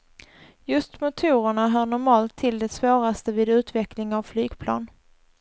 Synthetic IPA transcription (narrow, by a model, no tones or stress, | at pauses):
jɵst̪mʊt̪ʰuːɾəɳaɦœːɳʊɾmɑːlt̪ʰːɪld̪ɛsvoːɾast̪əvɪːd̪ʉ̟ːt̪vɛklɪŋavflyːɡpʰlɑ̰ːn